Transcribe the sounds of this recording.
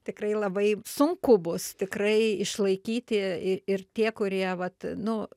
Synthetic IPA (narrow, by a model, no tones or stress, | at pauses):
t̪ʲɪkrɐɪlˠɐbɐɪsʊŋkʊbʊst̪ʲɪkrɐɪɪʃlˠɐɪkʲiːt̪ʲɪɪɪrt̪ʲiɛkʊɾʲiɛʋɐt̪nʊ